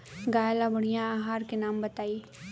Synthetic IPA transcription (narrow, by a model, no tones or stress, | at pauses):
ɡaːjlabəɽ̤̃ijãaːɦaːɾkenaːmbət̪aːiː